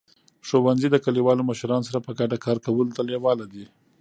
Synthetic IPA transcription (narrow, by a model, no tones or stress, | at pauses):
ʂowanzid̪əkaliwɑloməʃɾɑnosaɾapəɡaʈakɑɾkawəlot̪alewɑlad̪i